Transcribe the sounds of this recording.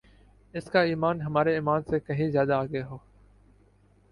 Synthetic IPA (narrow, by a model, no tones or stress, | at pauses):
ɪskaːiːmaːnɦəmaːɾeiːmaːnseːkəɦĩːzjaːd̪aːɡeːɦoː